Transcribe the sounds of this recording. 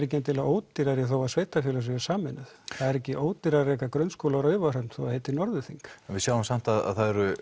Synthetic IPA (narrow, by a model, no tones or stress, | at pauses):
ɾɛhcɛnt̪ʰɪlaoːwt̪ɪɾaɾɪθowasveːjt̪afjɛlasɛɣʏ̥saːmɪnʏθθaðɛɾɛcɪʔoːwt̪ɪɾarɛːkakɾœnskowlaɾœɥvar̥apn̥θowaheːjt̪ɪnɔɾðʏθiŋkɛnvɪsjaːwɪmsam̥t̪aða̰ðθaðɛɾʏ